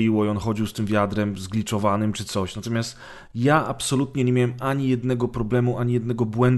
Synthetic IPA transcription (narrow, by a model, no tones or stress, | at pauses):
iwɔiɔnxɔd͡ʑiwst̪ɘmvʲjad̪ɾɛmzɡlʲit͡ʂɔvanɘmt͡ʂɘt̪sɔɕnat̪ɔmʲjast̪ | jaʔapsɔlut̪ɲɛɲemʲjawɛmʔaɲijɛd̪nɛɡɔpɾɔblɛmuʔaɲijɛd̪nɛɡɔbwɛnd̪